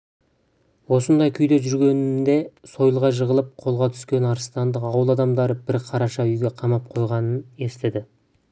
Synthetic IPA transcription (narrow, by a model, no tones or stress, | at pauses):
wo̞sənd̪ɑjkʲʰʏjd̪e̞ʒʏɾɡʲe̞nnd̪e̞so̞jəlˠʁɑʒəʁəlˠəp̚qʰo̞lˠʁɑt̪ʰʏ̥skʲe̞nɑɾəst̪ɑnd̪əqɑwəlˠɑd̪ɑmd̪ɑɾəbɪɾqʰɑɾɑʃɑʏjɡʲe̞qʰɑmɑp̚qʰo̞jʁɑnəne̞st̪ed̪ɪ